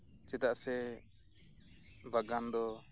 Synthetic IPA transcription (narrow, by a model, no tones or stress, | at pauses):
t͡ʃɛt̪aʔsɛ | baɡand̪ɔ